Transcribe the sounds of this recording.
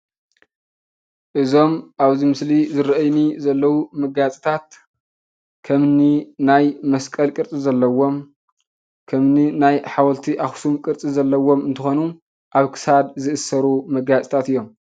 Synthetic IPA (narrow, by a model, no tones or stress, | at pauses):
ʔɨzo̞mʔaβzimɨslizɨɾɐʔɐjnizɐlːɐwumɐɡat͡sʼi̥t̪ʰat̪̚ | kʰɐmninajmɐskʼɐlkʼɨɾt͡sʼizɐlːɐwo̞m | kʰɐmninajħawɐlt̪ʰiʔaxsumkʼɨɾt͡sʼizɐlːɐwo̞mɨnt̪ʰɨxonu | ʔaβkʰɨ̥sad̪zɨʔɨsːɐɾumɐɡat͡sʼi̥t̪ʰat̪ɨjːo̞m